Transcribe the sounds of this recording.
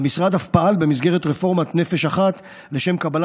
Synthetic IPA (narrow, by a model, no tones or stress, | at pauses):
misʁad̪afpaalbe̞mizɡeʁet̪ʁefo̞ʁmat̪ne̞fe̞ʃaχat̪ | le̞ʃe̞mkabal